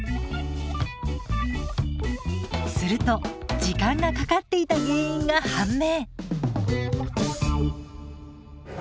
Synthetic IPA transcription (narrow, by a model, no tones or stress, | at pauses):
sɨɾɯ̟t̪o̞d͡ʑikãŋɡakakat̪ːe̞it̪aɲɯ̃ːĩŋɡahãmːe̞ː